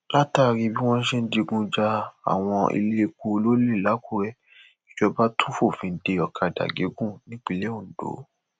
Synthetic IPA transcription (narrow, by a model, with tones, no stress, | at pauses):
la˦ta˦˨ɾi˧bi˦w̃ɔ̃˦n̩˦ʃe˦˧n̩˦di˧ɡũ˧d͡ʒa˧a̰˨w̃ɔ̃˧ḭ˧le˦˧ko˧lo˦le˦˨la˨˦ku˦˨ɾɛ˨ | i˨d͡ʒɔ˧ba˦tʰũ˦fo˦˨fĩ˨˧n̩˦de˧ɔ˨kʰa˨da̰˨ɡe˨˦ɡũ˦˨nĩ˦k͡pi˦˧˨le˦o˦˨n̩˨d̥o̰˨˦